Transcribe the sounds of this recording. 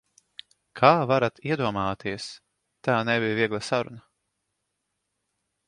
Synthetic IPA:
kʰaːvaɾat̪iɛd̪uɔmaːt̪iɛs | t̪aːnɛbijviɛɡlˠasaɾṵna

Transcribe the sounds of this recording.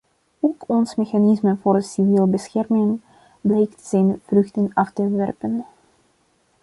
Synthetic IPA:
oːkɔnsmexanɪsməvoːrəsivilbəsxɛrmɪŋ | blɛjktz̥ɛjnv̥rɵxtənɑftəʋɛrpən

